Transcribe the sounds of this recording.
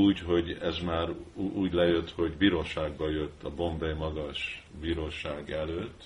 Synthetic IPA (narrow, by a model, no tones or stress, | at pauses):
uːcɦo̞ɟɛzmaːɾuːɟlɛjøt̪ho̞ɟbiːɾoːʃaːɡbɒjø̞t̪ːɒbo̞ɱbɛjmɒɡɒʃ | biːɾoːʃaːɡɛløːt̪ː